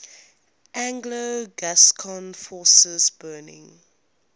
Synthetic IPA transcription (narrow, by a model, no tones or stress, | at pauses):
ʔãŋɡləɡaskʰɔ̃nfɔːsəzbɜːnɪ̰̃ŋ